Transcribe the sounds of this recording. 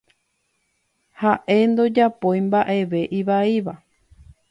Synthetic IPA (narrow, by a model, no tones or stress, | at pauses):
haʔe̞nd̪o̞d͡ʒapojmbaʔe̞ʋe̞ʔiʋaiʋa